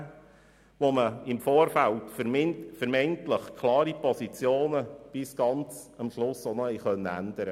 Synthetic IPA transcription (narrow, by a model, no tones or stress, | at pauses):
ʋoməɪmfoːɾfæltfmfəɾmɛntləχkʰlɑːɾipɔsit͡sjoːnəb̥ɪsɡ̥ɑnt͡s | ɑmʃlʊsonɔhɛjχœnːəæ̰nd̥̪əɾə